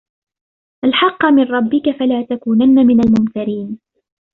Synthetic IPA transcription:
ʔalħɑqːɑmɪnɾˤɑbːɪkafalaːt̪akuːnanːamɪnalmʊmkɪɾiːn

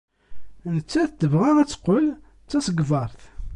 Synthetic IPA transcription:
nət͡sːæθd̪əvʁaʁæt͡sːə̥qːəl | t͡sːæsəɡvɑɾˤθ

